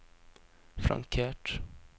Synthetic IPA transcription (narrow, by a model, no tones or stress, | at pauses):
fɾa̰ŋkʰeːʈ